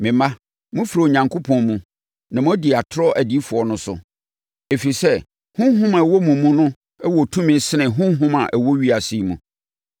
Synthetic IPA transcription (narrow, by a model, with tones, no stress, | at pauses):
mɪ̃˨mã˦ | mũ˦fɾo˨ɲã˨ŋkʰo˦pʰɔ̃˨nmũ˨ | nã˨mʊ̃˦di˨a˨tʰɾɔ˦ʔæ˨di˦fʊ˨ɔ˨nʊ̃˦sʊ̰˨ | e˨fi˨sɛ˦ | hʊ̃˦ɦʊ̃˦mã˨wo˦mũ˨mːũ˦nʊ̃˦ | ɛ˦wɔ˨tʰũ˦mɪ̃˨n˦sɪ˦nɪ̃˨ɦʊ̃˦ɦʊ̃˦ma˨ʔæ˨wo˦ɥi˦a˨si˦˨mũ˨